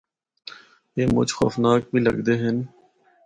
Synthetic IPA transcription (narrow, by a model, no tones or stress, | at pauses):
eːmʊ̰d͡ʒxo̰ːfnaːk̚bʱiːlɐ̰ɡd̪eɦɪn